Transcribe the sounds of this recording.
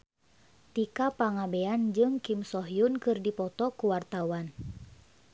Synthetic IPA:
t̪ikapaŋabeand͡ʒɨŋkimsɔɦijunkɨrdipɔt̪ɔkuwart̪awan

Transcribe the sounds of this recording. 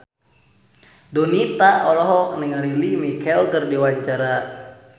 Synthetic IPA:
donit̪aɔlɔɦɔk̚nəŋaɾilimikʰɛlkərdiwaɲt͡ʃaɾa

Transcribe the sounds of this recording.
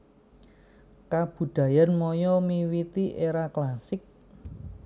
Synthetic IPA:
kab̥ṳd̪̥ä̤janmɔjɔmiwit̪iʔeɾaklasɪk̚

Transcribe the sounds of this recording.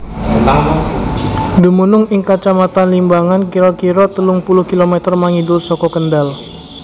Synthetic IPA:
a | dumunʊŋɪŋkat͡ʃamat̪anlimbaŋankiɾɔkiɾɔt̪əlʊŋpulʊhkilomɛt̪ərmaŋidʊlsɔkɔkəndal

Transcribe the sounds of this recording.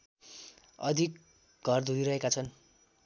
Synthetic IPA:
ʌ̰d̪ʱik | ɡʱʌrd̪ʱuiɾʌɦekat͡sʰʌn

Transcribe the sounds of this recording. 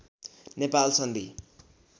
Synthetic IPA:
nepalsʌnd̪i

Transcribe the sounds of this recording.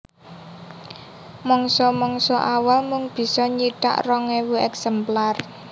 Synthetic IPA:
mɔŋsɔmɔŋsɔʔawalmʊŋb̥i̤sɔɲiɖ̥a̰ʔrɔŋewuɛksɛmplar

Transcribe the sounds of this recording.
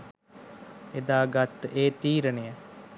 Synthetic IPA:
ed̪aːɡat̪ːeːt̪iːɾənejə

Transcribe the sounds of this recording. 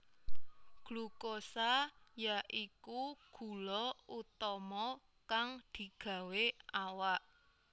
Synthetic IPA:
ɡ̥lukosajaʔikuɡ̥ṳlɔut̪ɔmɔ | kaŋd̪̥i̤ɡ̥ä̤weawaʔ

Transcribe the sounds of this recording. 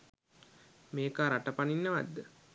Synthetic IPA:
meːkaːɾaʈəpaninːəʋa̰d̪ːə

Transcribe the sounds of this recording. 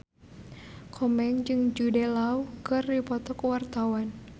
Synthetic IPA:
kʰɔmɛŋd͡ʒɨŋd͡ʒudɛlaukɨrːipɔt̪ɔkwart̪awan

